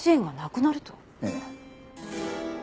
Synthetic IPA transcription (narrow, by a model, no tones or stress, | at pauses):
ɕiẽŋɡanakɯ̟naɾɯ̟t̪o̥